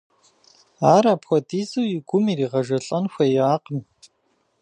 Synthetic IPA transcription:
aːɾaːpxʷɔdiːzɨwjɪɡʷʊmiːriːʁɐʒɐɬʼɐnxʷɐjaːqəm

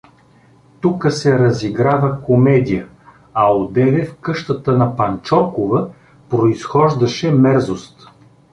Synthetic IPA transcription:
t̪ukəsɛɾɐziɡɾavəkomɛd̪ijə | ɐod̪ɛvɛfkɤʃt̪ət̪ənɐpɐnt͡ʃɔɾkovə | pɾoisxɔʒd̪ɐʃɛmɛɾzost̪

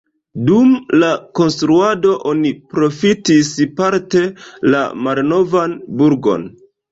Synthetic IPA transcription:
dumlako̞nstɾuado̞ʔo̞nipɾo̞fitispaɾte̞la̰malno̞vanbuɾɡo̞̰n

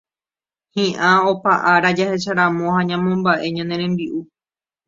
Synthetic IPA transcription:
hĩʔão̞paʔaɾad͡ʒahe̞ʃaɾãmõhãɲãmõ̞mbaʔe̞ɲãnẽ̞ɾ̃ẽ̞mbiʔu

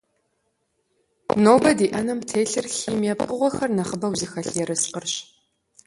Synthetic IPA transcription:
noːbɐdiːʔɐnɨmtʰeːɬɨrxiːmeːpʔʊʁʷɔxɐrnɐχəbɐwzɨxɐɬɛɾɨsqərɕ

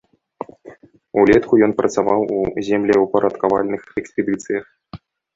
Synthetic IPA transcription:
ulʲɛt̪kujɔnprʔɐt̪saʋɑwuzʲemlʲiupɐɾɐt̪kaʋa̰lʲnɨxɛksʲpʲɛd̪ɨt̪sɨjɐx

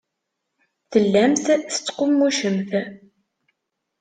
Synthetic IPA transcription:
θəlːæmθsə̥t͡sːqʊmːuʃəmθ

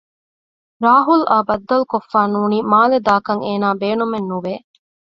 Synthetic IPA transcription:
ɾaːɦulʔaːbɐd̪ːɐlukofːaːnuːniːmaːled̪aːkɐŋeːnaːbeːnumenːuʋeː

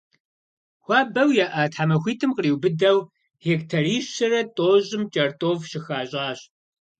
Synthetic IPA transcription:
xʷɑːbɐwjaʔɐːtʰħamɐxʷiːtʰɨmqəriːwbɨdɐw | heːktʰɐriːɕɐrɐtʼoːʑɪmt͡ʃʼɐrtʼoːvʃɪxaːɕʼaːɕ

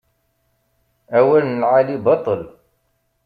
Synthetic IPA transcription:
æwːælnnəlʕalibɑt̪ˤəl

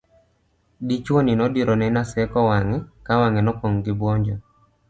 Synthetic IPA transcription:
dit͡ʃwɔninɔdiɾɔnɛnasɛkɔwaŋɛkawaŋɛnɔkɔŋɡɪbwɔɲd͡ʒɔ

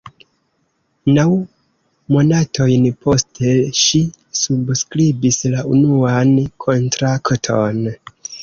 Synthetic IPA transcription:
naw | mo̞natʰo̞jnpʰo̞stelʃi | subskɾibislaʔunuankʰo̞ntɾaktʰo̞n

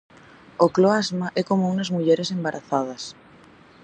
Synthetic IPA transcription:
okloazmaʔɛkomounɐzmuʎeɾesembaɾʔaθað̞ɐs

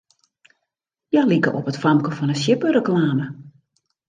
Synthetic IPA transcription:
jalikə̰ʔɔpətfɑmkəvɔnəsjɪpəɾəklaːmə

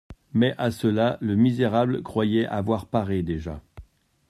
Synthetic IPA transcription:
mɛʔasəlaləmizeʁablkχwajɛʔavwaʁpaʁed̪eʒa̰

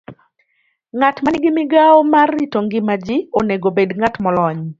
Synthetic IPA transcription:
ŋatmanɪɡɪmɪɡaɔmarːitoŋɡɪmad͡ʒɪoneɡobedŋatmɔlɔɲ

